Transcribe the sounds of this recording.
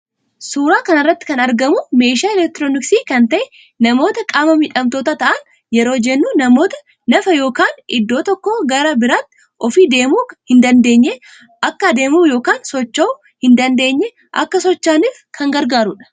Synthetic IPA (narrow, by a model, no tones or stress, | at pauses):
suːɾaːkɐnɪrːɐt̪ːɪ̥kɐnɐɾɡɐmʊme̞ːʃaːɛlɛk̚t̪ɪɾoːnɪksiːkɐnt̪ɐʔɛ | nɐmo̞ːt̪ɐkʼaːmɐmɪᶑʼɐmt̪o̞ːt̪ɐt̪ɐʔɐn | jɛɾo̞ːd͡ʒɛnːuːnɐmo̞ːt̪ɐ̥ | nɐfɐjo̞ːkaːnʔɪd̪ːo̞ːt̪ɔkːoːɡɐɾɐbɪɾaːt̪ːɪ̥ | ʔɔfiːd̪e̞ːmuːhɪnd̪ɐnd̪e̞ːɲːe | ʔɐkːɐd̪e̞ːmuːjo̞ːkaːnsɔt͡ʃːɐʊ | hɪnd̪ɐnd̪e̞ːɲːɛ | ʔɐ̰kːɐsɔt͡ʃːaːniːfkʰɐŋɡɐɾɡaːɾʊᶑɐ̥